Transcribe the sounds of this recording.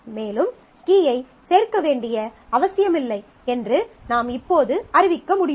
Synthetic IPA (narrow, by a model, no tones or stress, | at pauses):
meːlɯm | kiːjɐɪ | seːrkɐʋeːɳɖɪjɐɐʋɐsɪjɐmɪlːɐɪ | ɛndrɯnaːmɪpːoːðɯɐɾɪʋɪkːɐmʊɽɪ